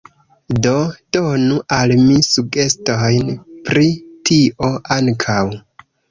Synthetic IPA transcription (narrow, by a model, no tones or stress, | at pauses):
do̞d̥o̞nuʔalmisuɡe̞sto̞jnpɾitʰiʔo̞ʔaŋkʰaw